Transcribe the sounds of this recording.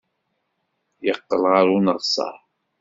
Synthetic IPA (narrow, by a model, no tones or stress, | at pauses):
jəqːəlʁaɾunəʁsˤɑ̰ħ